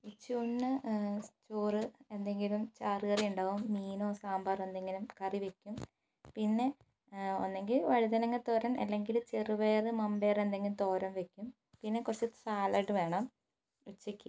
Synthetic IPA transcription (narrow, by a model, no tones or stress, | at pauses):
it͡ɕːuuɳːɨt͡ɕuːrɨe̞nd̪e̞ŋɡilumt͡ɕaːrɨɣɐrijuɳɖaːʋumːiːno̞ːsaːmbaːrend̪eŋɡilumkɐriʋekʲːum | pinːe̞ | o̞̰nːe̞ŋɡilʋɐɻiðɐnɐŋːɐt̪o̞ːɾɐmɐ̰lːe̞ŋɡilut͡ɕerɨʋeːrɨmɐmbe̞ːre̞nd̪e̞ŋɡilut̪o̞ːɾɐmʋekʲːum | pinːe̞kurɐt͡ɕːi̥saːlɐʈːɨʋe̞ːɳɐm | ut͡ɕːikʲːi